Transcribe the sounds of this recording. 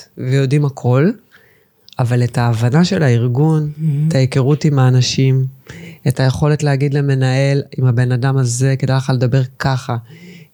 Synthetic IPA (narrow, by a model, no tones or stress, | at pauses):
vejo̞dimhakʰo̞l | avale̞taːvanaʃe̞laiʁɡunetʰajekeʁutimaːnaʃime̞taje̞χo̞letleaɡidle̞me̞nae̞limhabe̞nadamaze̞kedajleχaled̪abe̞ʁkaχa